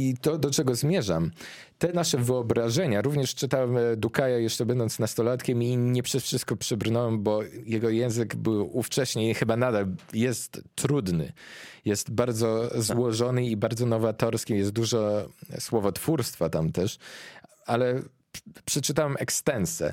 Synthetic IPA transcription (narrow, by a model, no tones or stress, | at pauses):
it̪ɔd̪ɔt͡ʂɛɡɔzmʲjɛʐam | t̪ɛnaʂɛvɘɔbɾaʐɛɲaɾuvɲɛʂt͡ʂɘt̪awɛmd̪ukajajɛʂt͡ʂɛbɛnd̪ɔnt̪snast̪ɔlat̪kʲɛmiɲɛpʂɛsfʂɘst̪̚kɔpʂɘbɾnɔwɛmbɔjɛɡɔjɛw̃zɘɡbɘwuft͡ʂɛɕɲexɘbanad̪aljɛst̪ːɾud̪nɘ̰jɛst̪baɾd̪zɔzwɔʐɔnɘibaɾd̪zɔnɔvat̪ɔɾskʲijɛst̪̚d̪uʐɔswɔvɔt̪fuɾst̪fat̪amt̪ɛʂ | alɛ | pʂɛt͡ʂɘt̪awɛmɛkst̪ɛnsɛ̰